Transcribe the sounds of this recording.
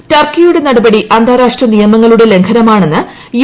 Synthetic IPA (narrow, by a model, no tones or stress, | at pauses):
tɐrkːijuɽe̞nɐɽɐbɐɽiʔɐnd̪ʱaːɾaːʂʈrɐnijɐmɐŋːɐɭuɽe̞le̞ŋkʰɐnɐmaːɳe̞nːɨ | j